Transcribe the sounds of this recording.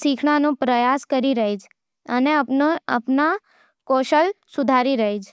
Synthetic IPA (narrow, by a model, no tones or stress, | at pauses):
sikʰɳ̃anõpɾəjaskəɾiɾəɦid͡ʒ | əneə̰pna | koːʃəlsʊd̪ʱaɾiɾəɦid͡ʒ